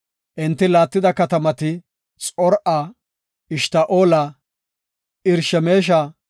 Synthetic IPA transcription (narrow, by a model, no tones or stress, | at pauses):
ʔɪnt̪ːɪlaːt̪ːɪd̪ɐkɐt̪ɐmɐt̪ɪ | t͡sʼɔɾʔaː | ɪʃt̪aʔoːlɐ | ɪɾʃɛme̞ːʃ̬ɐ